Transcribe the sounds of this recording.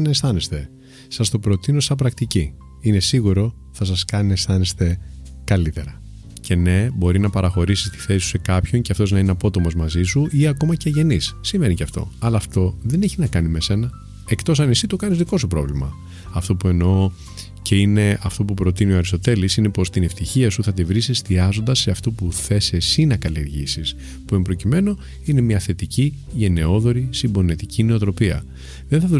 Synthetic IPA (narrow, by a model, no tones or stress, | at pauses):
nesθɐnest̪e̞ | sɐst̪o̞pɾo̞t̪ino̞sɐpɾɐkt̪ici | ine̞siɣuɾo̞ | θɐs̬ɐskɐninest̪ɐne̞st̪e̞kɐlit̪e̞ɾɐ | cʰe̞ne̞bo̞ɾinɐpɐɾɐxo̞ɾisi̥st̪i̥θesisu̥se̞kɐpço̞ɲceɐft̪o̞znɐineɐpo̞t̪o̞mo̞zmɐzisuʔiɐko̞mɐceɐʝe̞nisːimeniceɐft̪o̞̰ɐlɐːft̪o̞ðe̞ne̞çinɐkɐnime̞se̞nɐ | e̞kt̪o̞s̬ɐnisit̪okɐnizðiko̞supɾo̞̰vlimɐ | ɐft̪o̞pue̞no̞ | ce̞ine̞ɐft̪o̞pupɾo̞t̪inioɐɾist̪o̞t̪e̞lisine̞po̞st̪ine̞ft̪içiɐsuθɐt̪ivɾisest̪iɐzo̞nd̪ɐsːeɐft̪o̞puθe̞se̞sinɐkɐlieɾʝisis | pue̞mbɾo̞cime̞no̞ | ine̞mɲɐθe̞t̪ici | ʝe̞ne̞o̞ðo̞ɾisimbo̞net̪icineo̞t̪ɾo̞piɐ̰ | ðenθɐðu